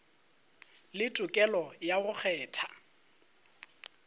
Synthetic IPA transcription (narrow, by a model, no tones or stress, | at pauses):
lɪtʼʊkʼɛlɔjaɣʊk͡xʰɛːtʰa